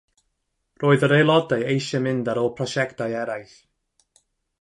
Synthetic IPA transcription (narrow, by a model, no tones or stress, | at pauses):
roːðəɾelˠɔdajejʃəmɪndaɾɔːpʰɹɔʃɛktajɛɾajθ